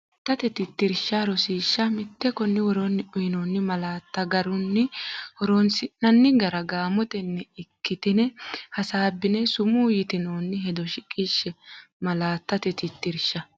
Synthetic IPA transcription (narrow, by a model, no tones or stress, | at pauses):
t̪ːɐt̪ɛt̪ɪt̪ːɪɾʃːaːɾɔsiːʃːɐmɪt̪ːɛkɔnːɪwɔɾonːɪʔʊjɪnoːnːɪmɐlaːt̪ːɐɡɐɾʊnːɪhɔɾoːnsɪnːɐnːɪɡɐɾɐɡaːmɔt̪ɛnːɛɪkːɪt̪ɪnɛhɐsaːbːɪnɛsʊmuːjɪt̪ɪnoːnːɪɦɛd̪ɔʃɪkʼiʃːɛmɐlaːt̪ːɐt̪ɛt̪ɪt̪ːɪɾʃːɐ